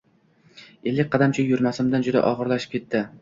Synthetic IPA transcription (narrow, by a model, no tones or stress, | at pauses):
elːɪk̚ʲqʰɑd̪amt͡ʃʰɪjʊɾmasɪmd̪and͡ʒʊd̪a̰ʔɒʁɨɾlaʃɪp̚kʲʰe̞t̪ʰːɪ